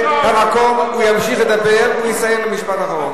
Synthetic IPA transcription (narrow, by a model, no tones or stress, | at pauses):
hamakomujamʃiχləd̪abɛɾulisajɛmləmiʃpat̪aχaʁɔn